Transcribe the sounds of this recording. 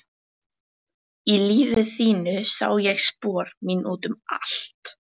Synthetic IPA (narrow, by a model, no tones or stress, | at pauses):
iliːvɪθiːnʏsa̰ːwjɛɣspɔːɾminʔuːt̪ʏma̰lt̪